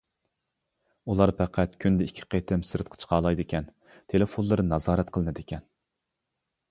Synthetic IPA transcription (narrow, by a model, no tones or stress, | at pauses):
ulˠɑɾpʰæqʰæt̪kʲʰynd̪ɛikʲʰːɪ̥qʰejt̪ʰɪmsɨɾɨt̪̚qʰə̥t͡ʃʰqʰɑːlˠɑjd̪ɪkʲʰɛn | t̪ʰelefonlˠɨɾɨnɑzɑːɾɛt̪qʰəlˠɨnɨd̪ɪkʲʰɛn